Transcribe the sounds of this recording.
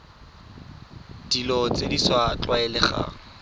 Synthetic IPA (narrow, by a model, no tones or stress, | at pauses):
d̥ilɔt͡sʼediswat͡ɬʼwaɛlɪχa̰